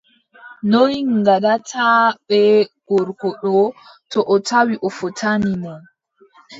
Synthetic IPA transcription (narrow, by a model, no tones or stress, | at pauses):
nojŋɡaɗatʰaɓɛɡ̥ɔɾkɔɗɔ | tɔʔɔtʰawiʔɔfɔtʰaninɛ